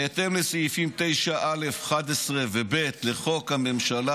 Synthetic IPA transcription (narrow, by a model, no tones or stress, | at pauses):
et̪emlesejifimt̪e̞jʃaʔale̞fχad̪esʁevebe̞t̪leχo̞khame̞mʃala